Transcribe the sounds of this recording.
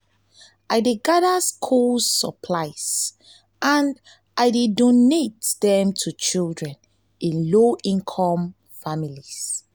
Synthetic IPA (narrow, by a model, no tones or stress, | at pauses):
ʔaɪdeɡadaskʰolsəpʰlaɪs | ʔãn | aɪdedonetdɛ̃mtʰut͡ʃildɹɛ̃n | ĩnloʔĩnkʰɔ̃m | familis